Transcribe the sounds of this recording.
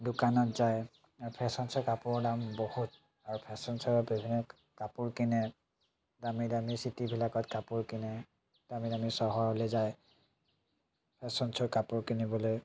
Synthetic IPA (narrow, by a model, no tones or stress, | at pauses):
dʊkanɔtzaj | aɹupʰɛsɔnsɔkapʊɹɔdambohut̚ | aɹupʰɛsɔnsɔɹɔbʱibʱinːɔ | kapuɹkinɛ | damidamisitibʱilakɔtkapuɹkinɛ | d̥amidamisɔɦɔɔlezaj | pʰɛsɔnsɔɹkapuɹkinibɔloj